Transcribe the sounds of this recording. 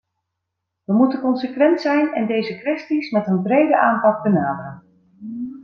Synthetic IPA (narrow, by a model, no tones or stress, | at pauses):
ʋəmutənkɔnsəkʋɛntsɛjnɛndejzəkʋɛstismɛtənbrejdəʔaːmpɑk̚bənaːdərən